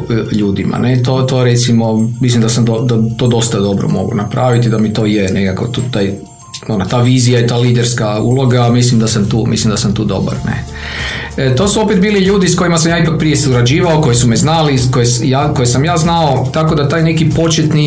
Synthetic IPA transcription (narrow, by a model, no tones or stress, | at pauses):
ʎuːd̪ima̰net̪ot̪oɾet̪simo̞mislimd̪asamd̪od̪at̪o̞ːd̪o̞st̪ad̪o̞bɾo̰mo̞̰ɡo̰napɾʔaːʋit̪id̪amit̪o̞ːjenekako̰t̪ut̪aːj | onot̪aːʋiːzijait̪aːliːd̪eɾskaṵlˠo̞ɡamislimd̪asamt̪ṵːmḭslimd̪asamt̪uːd̪o̞̰ba̰ɾnḛ | t̪o̞suo̞pet̪̚biːliʎuːd̪isko̞jimasamjaipak̚pɾijesuɾad͡ʒiːʋaoko̞jesumɛznalikojesjako̞jesamjaːznao̞ | t̪ako̞d̪at̪aːjnekipo̞t͡ʃet̪ni